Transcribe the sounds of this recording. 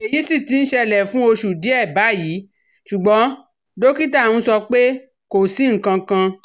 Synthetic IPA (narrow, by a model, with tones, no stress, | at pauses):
e˨ji˨˦si˦˨ti˧n̩˦ʃɛ˧lɛ˨fũ˦o˧ʃu˨di˨˦ɛ˦˨ba˨˦jiː˨˦ | ʃu˨ɡ͡bɔ̃˨˦ | do˦ki˦ta˦˨ũ˦sɔ˧k͡pe˦ | ko˨si˦ŋ̩˨kã˧kã˧